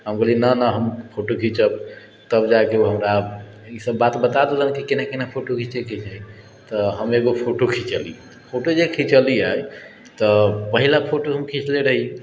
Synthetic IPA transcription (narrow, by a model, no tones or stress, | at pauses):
ɦəmɡəlinənəɦəmpʰoʈokʰit͡ʃəb | t̪əbd͡ʒakeuɦəmɾa | isəbːat̪bət̪ad̪elənkikenakenapʰoʈokʰĩt͡ʃekʰit͡ʃaj | t̪ɔɦəmeɡopʰoʈokʰit͡ʃəli | pʰoʈod͡ʒekʰĩt͡ʃəliaj | t̪ɔpəɦilapʰoʈoɦəmkʰĩt͡ʃleɾəɦi